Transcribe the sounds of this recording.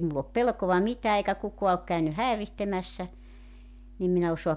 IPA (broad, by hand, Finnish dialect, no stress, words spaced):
mulː op pelkoʋɑ mitæː eikæ kukoɑ ok kæy hæerihtemæsːæ nim min e osoɑp